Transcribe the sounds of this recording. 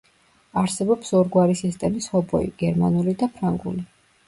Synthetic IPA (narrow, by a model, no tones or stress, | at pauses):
aɾsɛbɔpsɔɾɡwaɾisist̪ʼɛmishɔbɔ̰ḭɡ̥ɛɾma̰nulid̪apʰɾaŋɡṵli